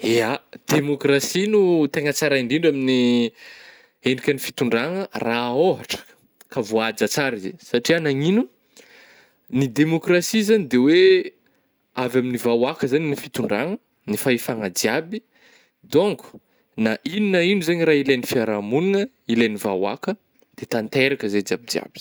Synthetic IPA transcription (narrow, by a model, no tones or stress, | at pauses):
ead̪̥emokrasinut̪eŋət͡saɾaiɳɖ͡ʐiɳɖ͡ʐamini | eɳɖ͡ʐikʲənifi̥t̪uɳɖ͡ʐaŋəraoɦaʈ͡ʂə̥ | kavoad͡ʒat͡saɾizḛsaʈ͡ʂianaŋinu | nid̪emokrasizanid̪ewe | avaminivawakəzaninifit̪uɳɖ͡ʐaŋə | nifaefaŋəd͡ziabi | d̪oŋkʰu̥ | naʔininainuzaɲiɾaːilajnifiaɾamuninə | ilajnivawa̰kə | d̪̥et̪ant̪eɾakəzed͡ziabid͡zia̰b̥i̥